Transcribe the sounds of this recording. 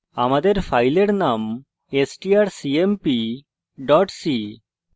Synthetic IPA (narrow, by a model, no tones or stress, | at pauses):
a̰mad̪eɾfʰajleɾnam | esʈiaɾsiempi | ɖɔʈsi